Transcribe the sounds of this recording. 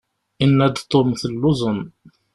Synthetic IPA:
inːæd̪t̪ˤomθəlːuzʊn

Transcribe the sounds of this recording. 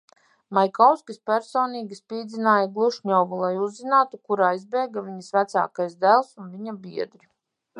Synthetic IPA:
majkawskʲispæɾsoːniːɡʲispiːd̪zinaːjaɡlˠuʃɲɔwvulˠajuzːinaːt̪ukuɾaːizbɛjɡaviɲisvæt̪sa̰ːkajsd̪ælˠsunviɲabiɛd̪ɾi

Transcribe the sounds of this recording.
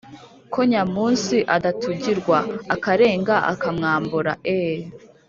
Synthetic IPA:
kʰoɲamuːnsiʔadatuɟiɾɡwaːkaɾe̞ːŋɡaʔa̰kamŋaːmbuɾa̰ʔe

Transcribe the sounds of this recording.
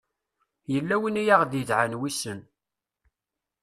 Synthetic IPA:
jəlːæwinijaʁd̪jəðʕanwisən

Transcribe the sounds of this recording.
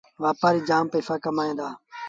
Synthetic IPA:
ʋaːpaːɾiːd͡ʒaːmpeːfaːkəmaːẽːd̪aː

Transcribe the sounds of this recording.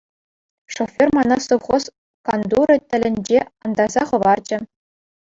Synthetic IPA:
ʂofʲːermɑnɑst̪oʋχos | kɑnd̪uɾɤ̆tʲɘ̆lʲɘ̆nʲd͡ʑeɑnd̪ɑzɑχɤ̆ʋɑrd͡ʑɘ̆

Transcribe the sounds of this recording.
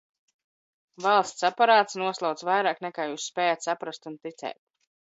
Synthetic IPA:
valˠst̪sapaɾaːt̪snuɔslˠawt̪vajɾaːknɛkaːjuːsːpɛːjat̪sapɾast̪unt̪it̪sɛ̰ːt̪̚

